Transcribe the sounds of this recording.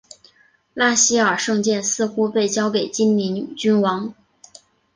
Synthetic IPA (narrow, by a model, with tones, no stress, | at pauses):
la˥ɕi˥ə˞˨˩ʂɤ˥˧ŋt͡ɕjɛ˥˧nsɹ̩˥˧xu˥pe˥˩ɪt͡ɕjɑ˥ʊke˨˩ɪt͡ɕi˥nni˧˥nt͡ɕy˥nwɑ˧˥ŋ